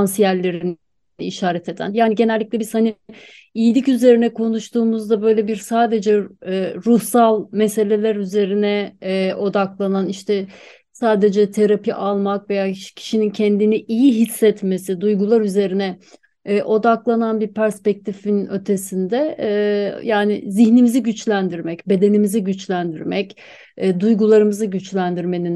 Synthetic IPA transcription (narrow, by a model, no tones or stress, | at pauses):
ansijælʲːe̞ɾin | iʃaːɾɛt̪ʰe̞d̪æ̰njaːniɟe̞nɛlʲːiclʲɛbizhani | ijilʲicyze̞ɾinɛkʰo̞nuʃt̪ʰuːmuzd̪abø̞jlʲebiɾsaːd̪e̞d͡ʒɛɾuhsalˠmese̞lʲe̞lʲæɾyze̞ɾinɛʔo̞d̪aklˠananiʃt̪ʰɛ | saːd̪e̞d͡ʒɛt̪ʰeɾapʰiʔalˠmakve̞jaːcʰi̥ʃinincʰɛnd̪iniʔijiɦisːɛt̪me̞sid̪ujɡulˠaɾyze̞ɾinɛː | ʔo̞d̪aklˠananbiɾpʰæɾspɛc̚t̪ʰifinø̞t̪ʰe̞sind̪ɛ | jaːnɪ̰ziçnimiziɟyt͡ʃlʲænd̪iɾmɛcbe̞d̪e̞nimiziɟyt͡ʃlʲænd̪iɾmɛcː | d̪ujɡulˠaɾɯmɯzɯɟyt͡ʃlʲænd̪iɾme̞nin